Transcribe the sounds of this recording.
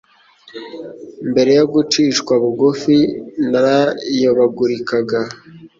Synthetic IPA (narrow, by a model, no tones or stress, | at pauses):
mbe̞ɾe̞joɡut͡ʃiːʃkwaβuɡufinaɾajoβaɡuɾikaɡa